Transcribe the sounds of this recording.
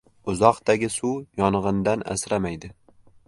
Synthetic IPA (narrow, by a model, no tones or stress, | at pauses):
ʊzɒqt̪aɡʲɪsujɒnʁɨnd̪ana̰sɾamajd̪ɪ